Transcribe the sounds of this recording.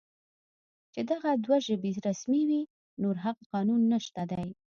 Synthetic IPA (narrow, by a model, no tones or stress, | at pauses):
t͡ʃed̪aɣad̪waʒəbiɾasmiwi | noɾɦaqqɑnunːəʃt̪ad̪aj